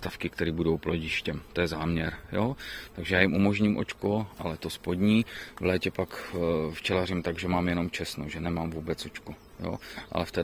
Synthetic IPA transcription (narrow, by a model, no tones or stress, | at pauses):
t̪afkɪkt̪ɛɾiːbudo̞wploɟɪʃcɛmt̪ojɛzaːmɲɛɾjoːt̪aɡʒɛjaːjɪmʔumo̞ʒɲimʔo̞̰t͡ʃkoʔalɛt̪o̞spo̞d̪ɲiːvlɛːcɛpakft͡ʃɛlarɪmt̪aɡʒɛmaːmjɛno̞mt͡ʃɛsnoʒɛnɛmaːmvuːbɛt͡sʔot͡ʃkujo̰ːʔa̰lɛft̪ɛ